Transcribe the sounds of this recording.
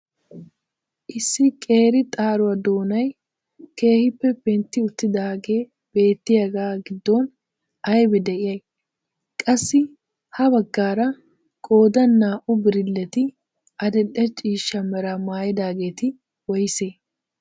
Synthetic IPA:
ʔɪsːɪkʼe̞ːɾɪt̪ʼaːɾʊɐd̪o̞ːnɐj | ke̞ːhɪpːɛpɛnt̪ːɪʊt̪ːɪd̪aːɡe̞ː | b̥e̞ːt̪ːɪjɐɡaːɡɪd̪ːoːn | ɐjbɛd̪ɛʔɪjɐj | kʼɐsːɪ | hɐbɐɡːaːɾɐ | kʼo̞ːd̪ɐnːaːʔʊbɪɾɪlːɛt̪ɪ | ʔɐd̪ɛɗɛt͡ʃʼiːʃːɐmɛɾɐmaːjɪd̪aːɡe̞ːt̪ɪ | wɔjseː

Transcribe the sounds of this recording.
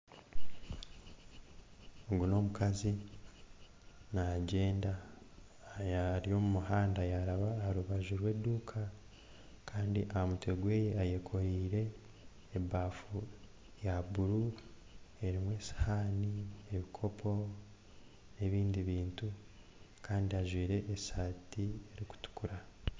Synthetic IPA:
oɡuno̞mukazi | naɟe̞ːnda | jaɾijo̞mumuɦaːndajaɾaβaɾuβaʒuɾwe̞ːduːkʰa | kʰaːndiʔaamutweɡwe̞ːjeaje̞kʰo̞ɾiːɾe̞ː | baːfu | jabuɾu | e̞ɾimwe̞ːsḁhaːnieβikʰo̞pʰo̞ | e̞βiːndiβiːntu | kaːndiaʒwiːɾe̞ʔːsaːtie̞ɾiku̥tu̥kuɾa

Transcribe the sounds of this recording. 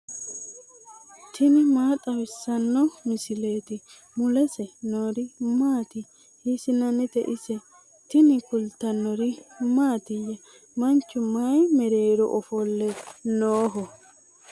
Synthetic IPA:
t̪ʰɪnɪmaːt̪ʼɐwɪsːɐnːɔmɪsɪle̞ːt̪ɪ | mʊlɛsɛnoːɾɪmaːt̪ɪ | hɪsɪnɐnːɪt̪ɛʔɪsɛ | t̪ɪnɪkʊlt̪ːɐnːɔɾɪmaːt̪ɪjːɛ | mɐnt͡ʃːʊmaːjmɛɾeːɾɔ̰ʔɔfɔlːɛnoːɦɔ

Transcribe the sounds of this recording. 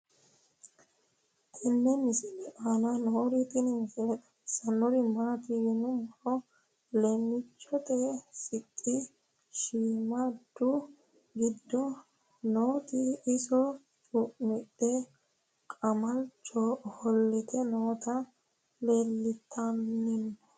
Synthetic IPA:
tɛnːɛmɪsɪlɛʔanɐnɔɾit̪ʼɪnɪmɪsɛlɛt̪ɐ̥sɐnːɔɾɪmat̪ɪjɪnʊmɔɾɔ | lɛmːɪt͡ʃːɔt̪ʼesɪt̪ʼːɪ | ʃiːmad̪ːʊ | ɡɪd̪ːɔ | noːt̪ɪːsɔ | t͡ʃʼʊʔmɪtːɛ | kʼɐmɐlt͡ʃɔhɔlːɛt̪ʰɛnoːt̪ɐ | leːlːɪt̪ʰːɐnːɪnːɔ

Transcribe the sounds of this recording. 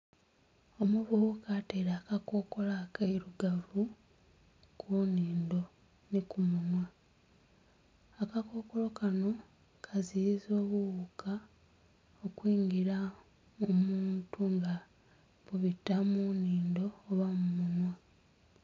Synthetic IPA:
o̞muβuukateɾaːkako̞ko̞lakaiɾuɡavu | kʰuːniːndo̞ | nikumunwa | akako̞ko̞lo̞kano̞ | kʰazizo̞ːβuβukʰa | okwiːŋɡiɾa | momuːntuŋɡa | βuβitːamuniːndo̞ːβamumunwa

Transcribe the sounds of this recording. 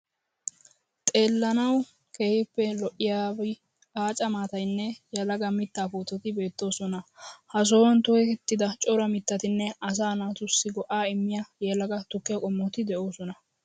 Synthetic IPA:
t̪ʼe̞ːlːɐnɐw | keːhɪpːɛlɔʔɪjaːbɪ | aːt͡ʃʼɐmaːt̪ɐjnːɛjɛlɐɡɐmɪt̪ːaːpoːt̪ːɛt̪ɪbe̞ːt̪ːo̞ːsɔnɐhɐs̬oːwɐnt̪ʊɛkɛt̪ːɪd̪ɐt͡ʃʼɔɾɐmɪt̪ːɐt̪ɪnːɛɐs̬aːnaːt̪ʊsːɪɡɔʔaːɪmːɪjajeːlɐɡɐt̪ʊkːɪjɐkʼɔmːɔt̪ɪd̪ɛʔo̞ːsɔnɐ

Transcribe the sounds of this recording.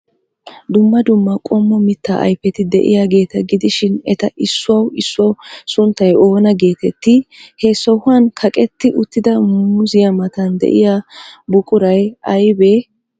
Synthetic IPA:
d̪ʊmːɐd̪ʊmːɐkʼɔmːɔmɪt̪ːa̰ʔɐ̰jpːɛt̪ɪd̪ɛ̰ʔɪ̰jaːɡe̞ːt̪ɐɡɪd̪ɪʃɪnɛt̪ɐʔɪsːʊɐwɪsːʊɐwsʊnt̪ːɐjo̞ːnɐɡe̞ːt̪ɛt̪ːɪhɛsɔhʊɐnkʰɐkʼɛt̪ːɪʔʊt̪ːɪd̪ɐmʊzɪjɐmɐt̪ɐnd̪ɛ̰ʔɪjabʊkʼʊɾɐjɐjbeː

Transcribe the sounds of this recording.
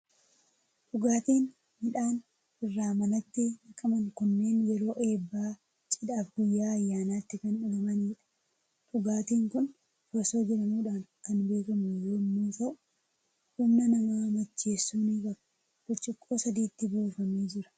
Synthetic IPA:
ᶑʊɡaːt̪iːn | mɪᶑaːn | ɪrːaːmɐnɐt̪ːɪnɐkʼɐmɐŋkʊnːe̞ːnjɛɾo̞ːʔe̞ːbːaː | t͡ʃʼɪᶑaːfɡʊjːaːɐjːaːnaːt̪ːɪkɐnʊɡɐmɐniːᶑɐ̥ | ᶑʊɡaːt̪iːŋkʊn | fɔso̞ːd͡ʒɪɾɐmuːᶑaːnkɐnbe̞ːkɐmʊjoːmːuːt̪ɐʔʊ | hʊmnɐnɐmaːmɐt͡ʃːe̞ːsːuːniːkʼɐb | b̥ɔt͡ʃʼːɪkʼːoːsɐd̪iːt̪ːɪboːfɐmiːd͡ʒɪɾɐ̥

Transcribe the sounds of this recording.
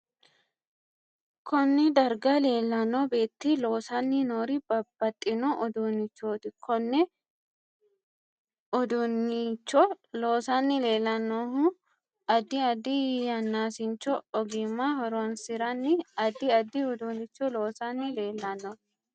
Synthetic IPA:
kɔnːɛd̪ɐɾɡɐle̞ːlːɐnobe̞ːt̪ːɪlo̞ːsɐnːɪnoːɾibɐb̥ːɐt̪ʼːɪnoʔɔd̪unːɪt͡ʃːoːt̪ɪkʰɔnːɛ | ɔd̪ʊnːɪt͡ʃːɔloːsɐnːɪle̞ːlːɐnːohʊ | ɐd̪ɪɐd̪ijɐnːaːsɪnt͡ʃːɔɔɡɪmːaːhɔɾonsɪɾɐnːɪɐd̪ɪɐd̪ːɪɔd̪unɪt͡ʃːɔloːsɐnːɪle̞ːlːɐnːɔ

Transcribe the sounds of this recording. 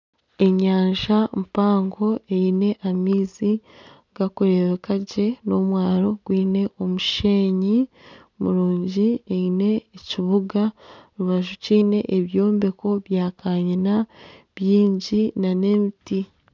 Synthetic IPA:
e̞ɲaːɲʒampaːŋɡo̞e̞ine̞ʔamiːzi | ɡ̥akuɾeβekaɟe̞no̞mwaːɾo̞ɡwiːne̞ʔo̞muʃe̞ːɲi | mṵɾuːɲɟieine̞ːciβuɡaɾuβaʒuciːne̞̰ʔeβjo̞ːmbe̞ko̞βjaːkaːɲinaβjiːɲɟinane̞ːmiti

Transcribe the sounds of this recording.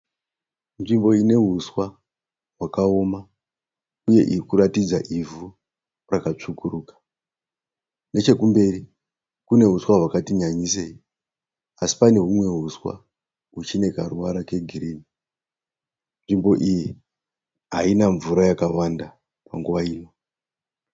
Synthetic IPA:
nʐimbo̞ine̞ɦuswa | ɦwakao̞ma | uje̞̰ʔikuɾatid͡zaʔivu | rakat͡ʂukuɾuːkḁ | ne̞t͡ʃe̞kumbe̞ri | kune̞ɦuswaɦwakatiɲaɲisei | asi̥pane̞ɦumwe̞ɦuswa̰ | ut͡ʃine̞karuwaɾake̞ɡʱiɾiːni | nʐimbo̞ʔiji | ɦainaɱvuɾajakawanda | paŋɡuʋaiːno̞

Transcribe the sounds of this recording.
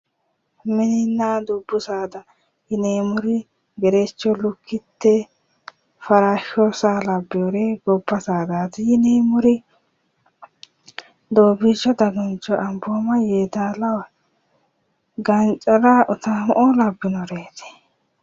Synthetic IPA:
mɪnɪnːaːd̪ʊbːʊsaːd̪ɐ | jɪneːmʊɾɪ | ɡɛɾɛt͡ʃːɔlʊkʰːɪt̪ːɛ | fɐɾaːʃoːsaːlɐbːɪjɔɾeːɡɔbːɐsaːd̪aːt̪ɪjɪneːmʊɾɪ | d̪oːbɪt͡ʃːɔd̪ɐɡɔnt͡ʃʼːɔʔɐmboːmɐjeːd̪aːlɐwɐ | ɡɐnt͡ʃʼɐɾaʔʊt̪ɐmɔʔɔlɐbːɪnɔɾeːt̪ɛ̥

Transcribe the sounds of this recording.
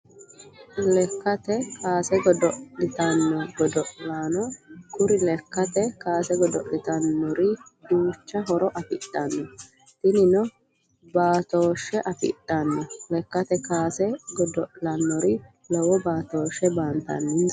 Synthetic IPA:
lɛkːɐt̪ɛkaːsɛɡɔd̪ɔʔlɪt̪ɐnːɔɡɔd̪ɔʔlaːnɔkʊɾɪlɛkːɐt̪ɛkaːsɛɡɔd̪ɔ̰ʔlɪt̪ɐnːɔɾɪd̪uːt͡ʃːɐɦɔɾɔʔɐfɪ̰t̪ʼːɐnːɔ | t̪ɪnɪnɔ | baːt̪oːʃːɛʔɐfɪ̰t̪ʼːɐnːɔlɛkːɐt̪ɛkaːsɛɡɔd̪ɔʔlɐnːɔɾɪ | lɔwɔbaːt̪oːʃɛbaːnt̪ɐ̰nːɪ

